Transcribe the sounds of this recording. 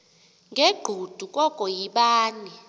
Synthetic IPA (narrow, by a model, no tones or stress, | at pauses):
ŋɡʱeɡ͡ǃʱud̥ʱukʼɔkʼɔjiɓaːni